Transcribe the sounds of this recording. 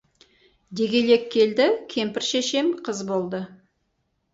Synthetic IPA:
d̪e̞ɡʲe̞le̞kʰʲːe̞ld̪ɪkʲʰe̞mpɪɾʃeʃe̞mqʰəzbo̞lˠd̪ə

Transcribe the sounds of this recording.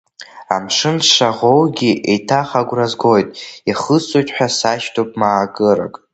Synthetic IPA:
a̰mʂɨnʂaʁowɡʲiʔḛjtʰaχaɡʷrazɡo̞jtʼiχəsʼojtʼħʷᶣasaʃtʰopʼmaːɡɨɾa̰kʼ

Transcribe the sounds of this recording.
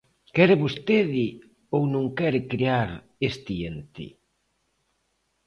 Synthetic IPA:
kɛɾɪβost̪eðɪ | ownõŋkɛɾɪkɾiaɾ | est̪ient̪ɪ̰

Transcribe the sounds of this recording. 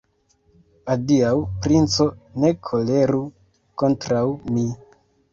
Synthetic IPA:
adiawpɾint͡so̞ne̞kʰo̞le̞ɾu | ko̞ntɾawmi

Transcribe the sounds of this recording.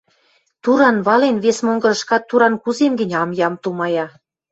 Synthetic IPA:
t̪uɾɑnβɑlenβesmoŋɡɤ̆ɾə̆ʃkɑt̪ːuɾɑnkuzemɡə̆nʲɑmjɑmt̪umɑjɑ

